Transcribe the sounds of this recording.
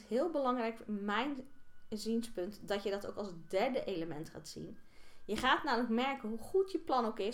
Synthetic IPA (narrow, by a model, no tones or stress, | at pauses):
ɦɪːlˠbəlɑŋrɛjkmɛjnzinspɵntdɑtjədɑtowkɑlˠzdɛɹdəʔejləmɛ̰ntχa̰ːtsḭnjəχaːtnaːmələkmɛɹkənɦuχutjəplɑnowkɪ